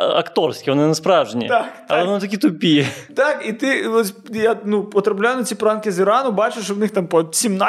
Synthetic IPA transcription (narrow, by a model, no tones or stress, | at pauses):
ɐ̰kt̪orskʲɪonnɐspɾavʐənʲɪ̰ak̪ɐonnt̪ɐkʲit̪ʊpʲijɛt̪akit̪ɨosʲjanupɔt̪ɾɐplʲajʊnɐt͡sʲipɾankʲɪzʲɪɾanʊbat͡ʃɪʂʋnɪxt̪ampɐsʲimna